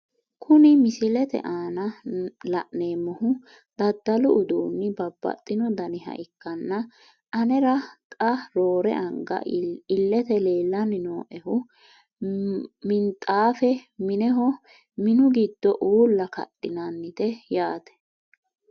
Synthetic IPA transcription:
kʰʊnɪmɪsɪlɛt̪ɛ̰ʔaːnɐlɐʔneːmɔhʊ | d̪̥ɐd̪ːɐlʊʊd̪uːnːɪbɐbːɐ̰t̪ʼːɪnɔd̪ɐnɪɦɐ̰ʔɪkːɐnːɐ | ʔɐnɛɾɐt̪ʼɐɾoːɾɛ̰ʔɐŋɡɐ̰ɪlːɛt̪ɛle̞ːlːɐnɪnoːʔɛhʊ | mɪnt̪ʼaːfɛmɪnɛɦɔ | mɪnʊɡid̪̥ːɔʔuːlːɐkɐ̰ɗːɪnɐnːɪt̪ɛjaːt̪ɛ̥

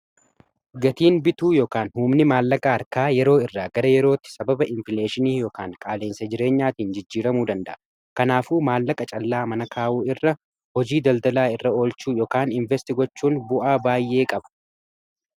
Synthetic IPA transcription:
ɡɐt̪iːnbɪt̪uːjoːkaːnhʊːmnɪmaːlːɐkʼɐɐɾkaːjɛɾo̞ːɪrːaːɡɐɾɐjɛɾo̞ːt̪ːɪ̥sɐbɐbɐʔɪɱfɪleːʃɪniːjoːkaːŋkʼaːleːnsɐd͡ʒɪɾe̞ːɲːaːt̪iːnd͡ʒɪd͡ʒːiːɾɐmuːd̪ɐnd̪ɐʔɐ | kɐnaːfuːmaːlːɐkʼɐt͡ʃʼɐlːaːmɐnɐkʰaːʔuːɪrːɐ | hɔd͡ʒiːd̪ɐld̪ɐlaːɪrːɐo̞ːlt͡ʃuːjoːkaːnɪɱvɛst̪ɪɡɔt͡ʃːuːnbʊʔaːbaːjːe̞ːkʼɐbɐ̥

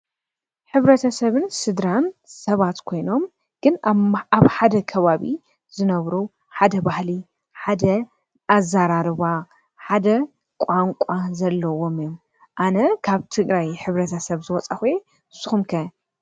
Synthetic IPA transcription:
ħɨβɾɐt̪ʰɐsɐβɨnsɨd̪ɾansɐβat̪kʰo̞jno̞m | ɡ̥ɨnaβħad̪ɐkʰɐβaβḭ | zɨnɐβɾu | ħad̪ɐbahli | ħad̪ɐ | ʔazːaɾaɾɨβa | ħad̪ɐ | kʷʼaŋkʷʼazɐlːɐwo̞mɨjom | ʔanɐkʰaβt̪ʰɨɡɾajħɨβɾɐt̪ʰɐsɐβzɨwɔt͡sʼɐxue | ɨsuxumkʰɐ

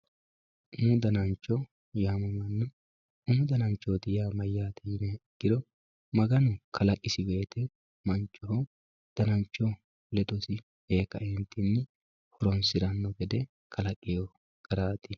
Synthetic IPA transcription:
ʊnʊd̪ɐnɐnt͡ʃːɔ | jaːmɐmɐnːʊ | ʊmːʊd̪ɐnɐnt͡ʃːɔt̪ɪjaːmɐjːaːt̪ɛjɪnɛɡ̥ɪɾɔ | mɐɡɐnʊkʰɐlɐkʼːɪsɪbe̞ːt̪ɛ | mɐnt͡ʃːɔɦɔ | d̪̥ɐnɐnt͡ʃːɔ | lɛt̪ɔsɪ | eːkːɐ̰ɛnt̪ɪnːɪ | hɔɾɔnsɪɾɐnːɔɡɛd̪ɛ | kʰɐlɐkʼːɪjɔ | kʼɐɾaːt̪ɪ

